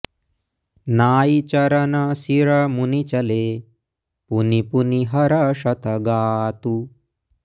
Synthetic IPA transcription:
naːit͡ʃɐɾɐnɐsiɾɐmunit͡ʃɐleː | punipuniɦɐɾɐʂɐt̪ɐɡaːt̪u

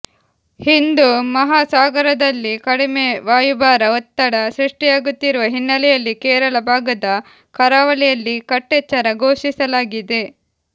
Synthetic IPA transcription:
hind̪umɐɦaːsaːɡɐɾɐd̪ɐlːikɐɽime̞ʋaːjubaːɾɐot̪ːɐɽɐsɾiʂʈijaːɡut̪ːiɾuʋɐɦinːɐlɛjɐlːikɛːɾɐɭɐbʱaːɡɐd̪ɐ | kɐɾaːʋɐlɛjɐlːikɐʈːet͡ʃːɐɾɐɡo̞ːʂisɐlaːɡid̪e̞

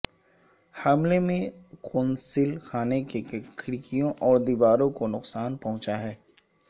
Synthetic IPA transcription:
hɐmlemẽkʊːnsɪlxaːnekekkʰɪɾikijõʔɔːɾd̪iːʋaːɾõkonʊqsaːnpɐɦʊ̃t͡ʃaɦɛː

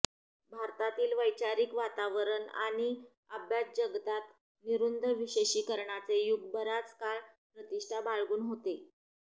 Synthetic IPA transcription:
bʱaɾt̪at̪iːlʋəjt͡ɕaɾiːkʋat̪aʋəɾəɳa̰ɽ̃i | əbjat͡sd͡ʑəɡt̪at̪ | niɾund̪ʱəʋiɕeɕiːkəɾɳat͡sejuɡ̚bəɾat͡skaɭpɾət̪iʂʈʰabʱaɭɡuːnɦot̪e

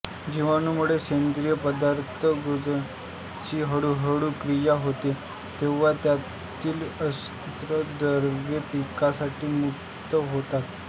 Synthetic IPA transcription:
d͡ʑiʋanumuɭekend̪ɾijəpəd̪aɾt̪ʰəɡud͡z | t͡ɕiːɦəɽuɦəɽuːkɾijaɦot̪e | t̪eʋ̤at̪ja | t̪ʰiːləs | t̪ɾəd̪əɾʋjəpikasaʈiːmuk | t̪əɦot̪at̪

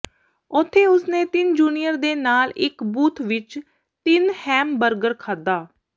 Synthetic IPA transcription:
ʊt̪ʰːeːʊsnẽːt̪ɪnd͡ʒuːnijəɾd̪eːnaːlɪkbuːt̪ʰʋɪt͡ʃ | t̪ɪnhɛːmbəɾɡəɾkʰaːd̪aː

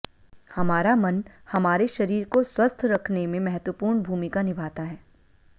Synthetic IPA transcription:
hɐmaːɾamɐnhɐmaːɾeʃɐɾiːɾkoswɐst̪ʰɾɐkʰnemẽmɛɦət̪wəpuːɾɳbʱuːmɪkanɪbʱaːt̪aɦɛː

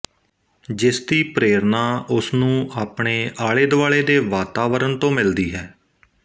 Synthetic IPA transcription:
d͡ʒɪsd̪iːpɾeːɾnaːʔʊsnũːaːpɳeːʔaːɭeːd̪ʊaːɭeːd̪eːʋaːt̪aːʋəɾənt̪õːmɪld̪iːɦɛː

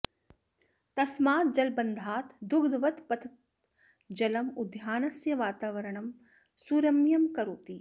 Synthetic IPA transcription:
t̪ɐsmaːt̪̚d͡ʒɐlbɐnd̪ʱaːt̪d̪ʊɡd̪ʋɐt̪pɐt̪ʰ | d͡ʒɐlɐmʊd̪ʱjaːnɐsjɐʋaːt̪aːʋɐɾəɳ̃ɐm | suːɾɐmjɐmkɐɾoːt̪iː

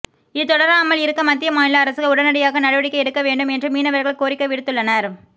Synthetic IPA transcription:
ɪt̪ːɔɽɐɾaːmːɐɭɪɾɯkːɐmɐt̪ːɪjɐmaːnɪlɐːɾɐsɯɣɐʊɽɐnɐɽɐjaːɣɐnɐɽɯʋɐɽɪkːɐɛɽɯkːɐʋeːɳɖɯmɛndrɯmiːnɐʋɐɾɣɐɭɐkoːɾɪkːɐʋɪɽɯt̪ːɯɭːɐnɐɾ

